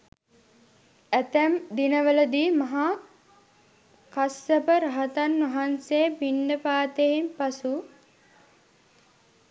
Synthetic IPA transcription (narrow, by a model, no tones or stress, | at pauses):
æt̪æmd̪inəʋələd̪iːmɐɦa | kasəpəɾaɦɐt̪anʋɐɦansejpinɖəpaːt̪eimpasu